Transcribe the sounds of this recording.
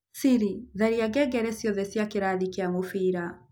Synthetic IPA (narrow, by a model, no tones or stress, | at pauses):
siɾiðɛɾiaɡɛɡɛɾɛsiɔðɛsjakiɾaðikiamofiɾa